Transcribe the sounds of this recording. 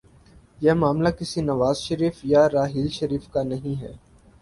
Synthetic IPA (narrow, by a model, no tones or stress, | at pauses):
jɛmaːmlakɪsinɐʋaːzʃəɾiːfjaɾaːɦiːlʃɐɾiːfkanɐɦĩɦɛ̰ː